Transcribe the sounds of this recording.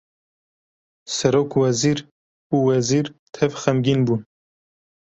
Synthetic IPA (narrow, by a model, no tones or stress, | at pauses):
sɛɾoːkwɛziːɾ | uwɛziːɾt̪ʰɛvxɛmɡiːnbuːn